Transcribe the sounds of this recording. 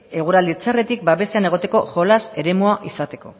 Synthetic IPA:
e̞ɣ̞uɾald̪it͡sare̞t̪ik̚baβe̞seane̞ɣ̞o̞t̪e̞ko̞ʝo̞lase̞ɾe̞muaʔisat̪e̞ko̞̰

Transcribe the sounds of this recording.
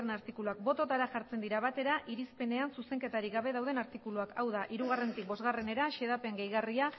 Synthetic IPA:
enaɾt̪ikuluak̚bo̞t̪o̞t̪aɾaʝaɾt͡se̞nd̪iɾaβ̞at̪e̞ɾaʔiɾispe̞ne̞ansuse̞ŋke̞t̪aɾiɡaβ̞e̞ð̞awðe̞naɾt̪ikuluakawðaʔiɾuɣare̞nt̪ik̚bo̞zɣare̞ne̞ɾaʃeðapeŋɡe̞jɣaria

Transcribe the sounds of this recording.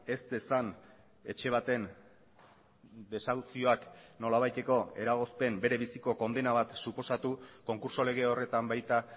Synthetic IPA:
e̞st̪esan | e̞t͡ʃe̞β̞at̪e̞n | d̪e̞sawt͡sio̞akno̞laβajt̪e̞ko̞e̞̰ɾaɣ̞o̞spe̞mbe̞ɾe̞βisiko̞ko̞nd̪e̞naβat̪supo̞sat̪uko̞ŋkuɾso̞le̞ɣ̞e̞o̞re̞t̪ambajt̪a

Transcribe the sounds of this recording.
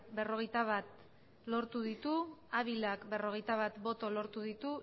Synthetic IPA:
be̞ro̞ɣe̞jt̪aβ̞at̪ | lo̞ɾt̪uðit̪uaβilakbe̞ro̞ɣejt̪aβat̪bo̞t̪o̞lo̞ɾt̪uðit̪u

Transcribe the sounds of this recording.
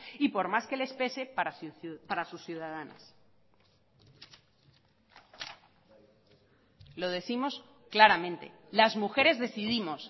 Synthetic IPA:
ipo̞ɾmaske̞le̞spe̞se̞paɾaspaɾasusθjuðað̞ana̰s | lo̞ð̞e̞θimo̞s | klaɾamẽ̞nt̪e̞̰ | lazmuxe̞ɾe̞zðe̞θiðimo̞s

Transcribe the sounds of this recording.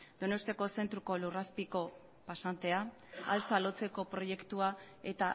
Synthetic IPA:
d̪̥o̞no̞st̪iako̞se̞nt̪ɾuko̞luraspiko̞ | pasant̪e̞a | a̰lt͡salo̞t͡se̞ko̞pɾo̞je̞kt̪ua | e̞t̪a

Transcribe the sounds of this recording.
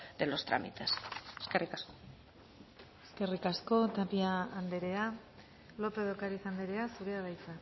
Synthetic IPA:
d̪elo̞st̪ɾa̰mḭt̪eseskerikasko̥ | eske̞rikasko̞t̪apiaːnd̪e̞ɾe̞a | lo̞pe̞ðokaɾiθand̪e̞ɾe̞asuɾeaðajt͡sa

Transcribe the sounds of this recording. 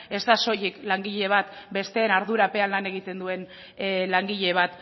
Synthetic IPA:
e̞zt̪aso̞jeklaŋɡiʎe̞β̞at̪be̞st̪e̞ːnaɾðuɾape̞alːane̞ɣ̞it̪e̞nd̪ue̞n | laŋɡiʎe̞β̞at̪

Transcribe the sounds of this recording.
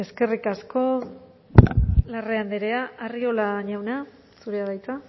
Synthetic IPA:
e̞ske̞rikasko̞ | lareand̪eɾeaariolaɲawna | suɾeaðajt͡sa

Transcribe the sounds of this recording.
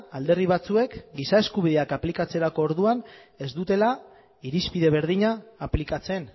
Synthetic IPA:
ald̪e̞riβat͡sue̞kɡisae̞skuβiðe̞akaplikat͡se̞ɾako̞ːɾðuane̞zd̪ut̪e̞la | iɾispiðe̞β̞e̞ɾðiɲaːplikat͡se̞n

